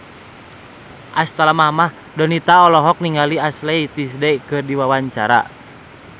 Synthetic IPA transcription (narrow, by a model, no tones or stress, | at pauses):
ʔast̪alamahmah | dɔnit̪aɔlɔɦɔk̚niŋɡaliaslɛit̪is̬dɛkɨrdiwawaɲt͡ʃa̰ɾa̰